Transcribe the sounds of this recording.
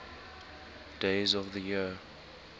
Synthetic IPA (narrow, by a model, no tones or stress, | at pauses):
d̥eɪzɔvðəji